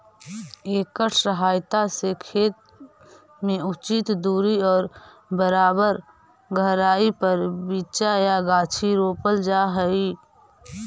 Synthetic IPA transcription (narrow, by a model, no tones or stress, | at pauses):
eːkəʈʰsəɦaːjt̪asekʰeːt̪̚ | mẽʊt͡ʃɪt̪d̪uːɾiɔːɾ | bəɾaːbəɾ | ɡʱəɾaːipəɾbiːt͡ʃajaɡaːt͡ʃʰiɾoːpəld͡ʒaɦəi